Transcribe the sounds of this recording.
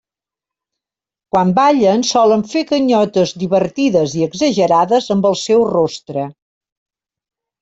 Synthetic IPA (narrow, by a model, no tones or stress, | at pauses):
kwambaʎənsɔləɱfekəɲɔt̪əzd̪iβəɾt̪iðəziəɡzəʒəɾaðəzəmbəlˠsɛwrost̪ɾə